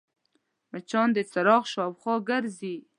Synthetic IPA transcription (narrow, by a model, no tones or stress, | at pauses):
mat͡ʃɑnd̪et͡saɾɑɣʃɑwχɑɡaɾzi